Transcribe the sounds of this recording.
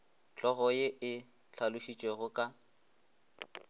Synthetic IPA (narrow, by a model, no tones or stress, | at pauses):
t͡ɬʼɔɣɔjeʔɪ | t͡ɬʰalʊʃit͡ʃʼweɣʊkʼa